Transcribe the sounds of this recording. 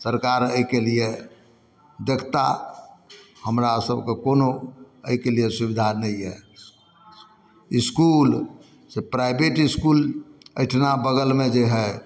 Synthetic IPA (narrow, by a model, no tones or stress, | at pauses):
səɾkaɾəikelie | d̪ekt̪a̰ | həmɾasəbʱkekono | əikelijesubid̪ʱanɛiɦɛ | iskul | sepɾaɪbeʈiskuləɪʈʰnabəɡəlmed͡ʒeɦɛ